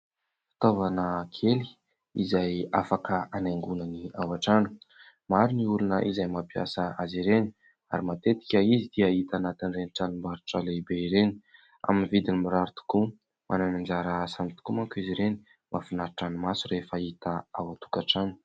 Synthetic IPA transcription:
fi̥t̪ovanəkʰeli̥ | ḭzajafakəanaŋɡunəniawaʈ͡ʂanə̥ | maɾiniulunəʔizajmapia̰səaziɾeni̥ | a̰ɾimat̪et̪i̥kʲəizid̪iait̪anat̪inrenʈ͡ʂanimaɾuʈ͡ʂəlebeiɾeni̥ | a̰minivid̪inimiɾaɾut̪u̥ku | mʔananand͡zaɾaasamit̪u̥kumaŋkuiziɾeni̥ | mafinaɾʈ͡ʂanimasurefait̪əawat̪u̥kaʈ͡ʂanə̥

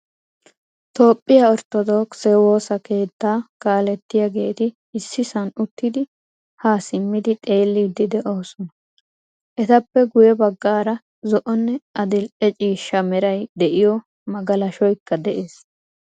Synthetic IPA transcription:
t̪o̞ːpʼːɪjaɔɾt̪ɔd̪oːksɛwo̞ːsɐke̞ːt̪ːaːkaːlɛt̪ːɪjaɡe̞ːt̪ɪː | sːɪsɐnʊt̪ːɪd̪ɪ | haːsɪmːɪd̪ɪt̪ʼe̞ːlːiːd̪ɪd̪ɛʔo̞ːsɔnɐ | ʔɛt̪ɐpːɛɡʊjɛbɐɡːaːɾɐ | zɔʔɔnːɛʔɐd̪ɪlʔɛt͡ʃʼiːʃːɐmɛɾɐjd̪ɛʔɪjɔ | mɐɡɐlɐʃɔjkːɐd̪ɛʔe̞ːs

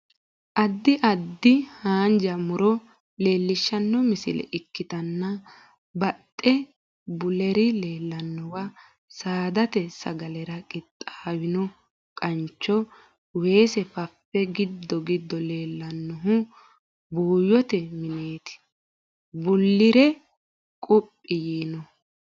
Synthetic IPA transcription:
ʔɐd̪ːɪʔɐd̪ːɪhaːnd͡ʒɐmʊɾɔ | le̞ːlːɪʃːɐnːɔmɪsɪ̰lɛ̰ʔɪkːɪt̪ɐnːɐ | bɐt̪ʼːɛ | bʊlɛɾɪleːlːɐnːɔwɐ | saːd̪ɐt̪ɛsɐ̰ɡɐlɛɾɐkʼɪt̪ʼːɐ̥hɐwɪnɔ | kʼɐnt͡ʃːɔ | we̞ːsɛfɐfːɛɡɪd̪ːɔɡɪd̪ːɔle̞ːlːɐnːɔɦʊ | buːjɔt̪ɛmɪneːt̪ɪ̥ | bʊlːɪɾɛ | kʼʊpʼːɪjiːnɔ

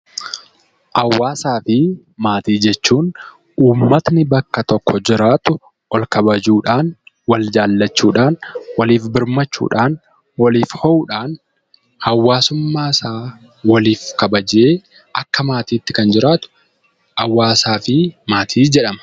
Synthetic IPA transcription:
ʔɐwːaːsaːfɪ | maːt̪iːd͡ʒɛt͡ʃːuːn | uːmːɐt̪nɪbɐkːɐt̪ɔkːɔd͡ʒɪɾaːt̪ʊ | ʔɔlkɐbɐd͡ʒuːᶑaːn | wɐld͡ʒaːlːɐt͡ʃːuːᶑaːnwɐliːfbɪɾmɐt͡ʃːṵːᶑaːn | wɐliːfhɔʔuːᶑaːn | hɐwːaːsʊmːaːɪsaː | wɐliːfkɐbɐd͡ʒeː | ʔɐkːɐmaːt̪iːt̪ːɪ̥kɐnd͡ʒɪɾaːt̪ʊ̥ | ʔɐwːaːsaːfɪmaːt̪ʰiːd͡ʒɛᶑɐmɐ̥

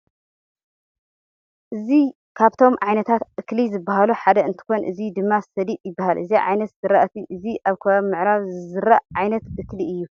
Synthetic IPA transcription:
ʔɨzi | kʰaβt̪ʰo̞mʕajnɐt̪ʰat̪ʔɨklizɨbːahaluħad̪ɐɨnt̪ʰɨ̥xo̞nʔɨzid̪ɨmːasɐd̪iʔjɪbːahalʔɨziʕa̰jnɐt̪z̥ɨɾaʔt̪ʰiʔɨziʔaβkʰɐmːɨʕɾaβzɨzɨɾaʔʕajnɐt̪ʔɨkliʔɨjːu

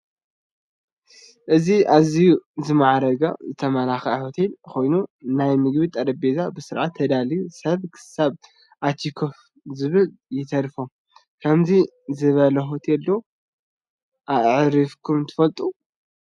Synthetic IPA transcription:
ʔɨziʔazijuzɨmaʕɾɐɡazɨt̪ʰɐmɐlaxɐho̞t̪ʰe̞lkʰo̞jnunajmɨɡβit̪ʼɐd̪ɐbezabɨsɨɾʕat̪ʰːɐd̪alisɐβkʰɨ̥saβ | ʔat͡ʃ̪ʰikʰof | zɨβɨljɪt̪ʰɐɾfo | kʰɐmzi | zɨβɐlɐɦo̞t̪ʰelːo | ʔaʔʕɾifkʰumt̪ʰɨ̥fɐlt̪ʼu

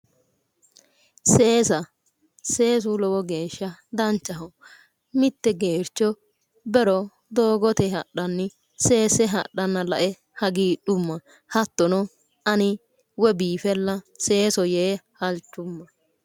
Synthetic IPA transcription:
seːsɐ | seːs̬ʊlɔwɔɡeːʃːɐd̪ɐnt͡ʃːɐɦɔ | mɪt̪ːɛɡeːɾt͡ʃːɔ | bɛɾɔ | d̪oːɡɔt̪ɛhɐɗːɐnːɪ | se̞ːsɛɦɐ̰ɗːɐnːɐlɐʔɛ | hɐɡiːᶑʊmːɐ | hɐt̪ːɔnɔ | ɐnɪ | wɛbiːfɛlːɐse̞ːsɔjeːhɐlt͡ʃːʊmːɐ

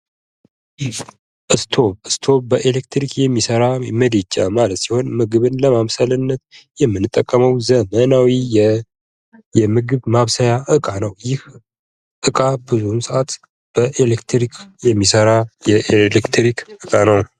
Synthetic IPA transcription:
ʔɨst̪ʰoɨst̪ʰo̞bəʔelekt̪ʰɾikʰjɛmːisəɾaməd̪et͡ʃʼːa̰malət̪siho̞nmɨɡɨβɨnləmamsəlɨnːət̪jɛmːɨnːɨt̪ʼːəkʼːəməwzəmənawijɛ | jɛmɨɡɨβmaβsəjaʔɨkʼanəwjɪh | ʔɨkʼabɨzumsɨʔat̪ | b̥əʔelekt̪ɾikʰjɛmːisəɾajɛʔelekt̪ʰɾikʔɨkʼanəwn

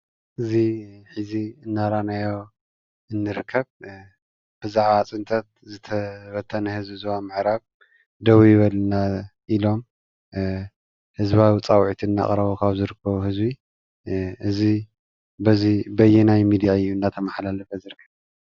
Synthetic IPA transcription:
ʔɨziħiziɨnːaɾanajo | ɨnːɨɾɨkʰːɐβ | b̥ɨzaʕβat͡sʼɨnt̪ʰʼɐt̪̚zɨt̪ʰɐβɐt̪ʰːɐnɐhɨzbɨzβamɨʕɾaβ | d̪ɐwijɪβɐlnaʔilo̞m | hɨzβawit͡sʼawʕit̪ʰinːa̰χʼɾɐβokʰaβzɨɾɨkʰːɐβuɦɨzbi | ʔɨzi | bɐzibɐjɛnajmid̪ijaɨjːuɨnːat̪ʰɐmaħlalɐfɐzɨɾɨkʰːɐβ

